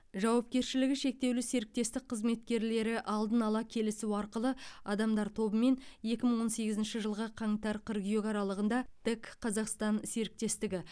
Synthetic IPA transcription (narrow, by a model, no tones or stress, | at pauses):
ʒɑwɑp̚kʲe̞ɾʃɪlɪɡʲɪʃe̞k̚t̪e̞wlɪse̞ɾɪk̚t̪e̞st̪ɪk̚qʰəzme̞t̪̚kʲe̞ɾle̞ɾɪʔɑlˠd̪ənɑlˠɑkʲʰe̞lɪsuɑɾqəlˠəɑd̪ɑmd̪ɑɾt̪ʰo̞bəme̞nje̞kʲɪməɴwo̞nse̞ɡʲɪzɪnʃɪʒəlˠʁəqʰɑɴt̪ɑɾqʰəɾɡʲʏjekɑɾɑlˠəʁənd̪ɑd̪̥ɪkqʰɑzɑqst̪ɑnse̞ɾɪk̚t̪e̞st̪ɪɡʲɪ